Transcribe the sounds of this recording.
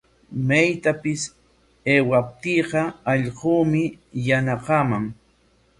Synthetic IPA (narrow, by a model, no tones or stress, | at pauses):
majt̪apɪs | eːwap̚t̪iːqɑɑʎquːmɪjanaqɑːmaŋ